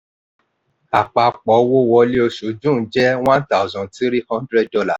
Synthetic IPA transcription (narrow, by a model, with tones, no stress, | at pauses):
a˨k͡pa˨k͡pɔ˨˦wo˦wɔ˧li˦o˧ʃu˨˦d͡ʒũ˦˨˦d͡ʒɛ˦w̃ã˦n˦ta˦˨zɔ̃˨˧ti˦ɾi˦hɔ̃˦ndɾɛ˦d̚dɔ˧la˦˨